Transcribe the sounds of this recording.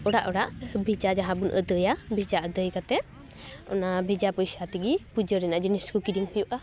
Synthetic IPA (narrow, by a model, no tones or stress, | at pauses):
ɔɽaʔɔɽaʔbʱid͡ʒad͡ʒaɦãbunʔə̰d̪əjabʱid͡ʒaʔəd̪əjkat̪ɛ | ɔ̰nabʱid͡ʒapɔjsat̪iɡipud͡ʒəɾɛnaʔd͡ʒiniskukiɾiŋpujuʔa